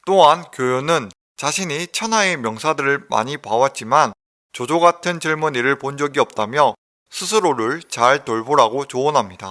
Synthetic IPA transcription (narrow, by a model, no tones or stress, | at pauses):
t͈oɦankjojonɯn | t͡ɕaɕʰiɲit͡ɕʰʌnɦaemjʌŋsʰadɯɾɯɭma̰ɲipawat̚t͡ɕ͈iman | t͡ɕod͡ʑoɡatʰɯnt͡ɕiɭmuniɾɯɭpond͡ʑʌɡiʌp̚t͈amjʌ | sʰɯsʰɯɾoɾuɭt͡ɕaɭtoɭboɾaɡot͡ɕoʌnɦamɲida